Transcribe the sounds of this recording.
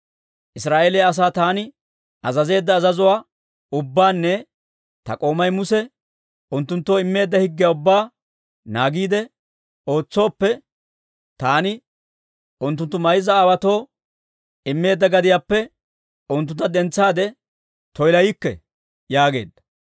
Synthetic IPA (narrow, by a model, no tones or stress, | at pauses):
ʔɪsɾaːʔeːlɛjɐs̬aːt̪aːnɪ | ɐzɐze̞ːd̪ːɐːzɐzʊwaː | ʊbːaːnːɛ | t̪ɐkʼo̞ːmɐjmʊsɛ | ʊnt̪ːʊnt̪ːoːɪmːe̞ːd̪ːɐhɪɡːɪjaːʊbːaː | naːɡiːd̪ɛ | o̞ːt͡sːo̞ːpːɛ | t̪aːnɪ | ʔʊnt̪̬ːʊnt̪ːʊmɐjzɐːwɐt̪o̞ː | ɪmːe̞ːd̪ːɐɡɐd̪ɪjaːpːɛ | ʊnt̪ːʊnt̪ːɐd̪ɛnt͡sːaːd̪ɛ | t̪ɔjlɐjɪkːɛ̰ | jaːɡe̞̰ːd̪ːɐ̥